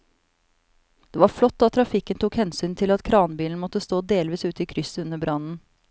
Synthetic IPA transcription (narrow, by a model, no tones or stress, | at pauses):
d̪̥eːʋɑːɾflɔt̪ːd̪ɑːt̪ʰɾɑfɪkːənt̪ʰuːkhɛnsyːnt̪ʰɪlɑt̪kʰɾɑːnbiːln̩mɔt̪ːəst̪oːd̪eːlʋiːsʉːt̪əiːkʰɾʏsʉnəbɾɑnn̩